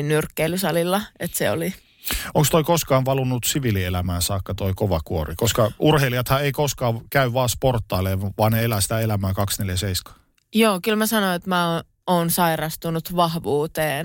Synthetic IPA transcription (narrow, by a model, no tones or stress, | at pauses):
nnyrkːeilysɑlilːɑet̪seo̰li | oŋkst̪oikoskɑːnʋɑlunːut̪siʋilielæmæːsɑːkːɑt̪oikoʋɑkuorikoskɑʔurhelijɑt̪hɑeikoskɑːʋkæyʋɑːsport̪ːɑːleːʋɑːnneelæːsi̥t̪æelæmæːkɑksneljæseiskɑ̥ː | joːkylmæsɑnoet̪mæo | oːnsɑirɑst̪unut̪ʋɑhʋuːt̪eːn